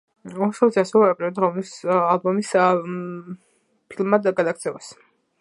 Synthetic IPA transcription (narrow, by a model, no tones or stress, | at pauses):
ɔʃɔt̪siasɛvɛɛkʼiɾd̪ɾɔvnisalbɔmis | pʰilˠmːad̪ɡad̪ak̚ʰt̪sʰɛvas